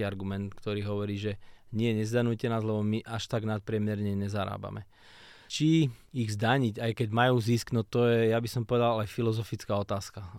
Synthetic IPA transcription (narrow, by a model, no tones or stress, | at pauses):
iaɾɡumɛnt̪kt̪ɔɾiːɦɔʋɔɾiːʒɛɲɪɛɲɛzd̪anucɛnaːzlɛbɔmiʔaʃt̪aɡnat̪̚pɾɪɛmjɛɾɲɛɲɛzaɾa̰ːba̰mɛ | t͡ʃiːɣzd̪aɲiɟajkɛɟmajuːzisknɔt̪ɔjɛjabisɔmpɔʋɛd̪alajfilɔzɔfit͡skaːɔt̪aːska